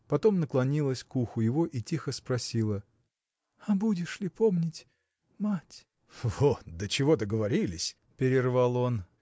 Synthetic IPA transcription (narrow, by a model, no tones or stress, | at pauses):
pɐt̪o̞mnəklˠɐnʲilˠəsʲkuxʊjɪvo̞ʔitʲixəspɾɐsʲilˠə | ɐbudʲɪʂlʲɪpomnʲɪtʲ | matʲ | votd̪ət͡ɕɪvo̞d̪əɡəvɐɾʲilʲɪsʲ | pʲɪɾʲɪrvɑlˠo̞n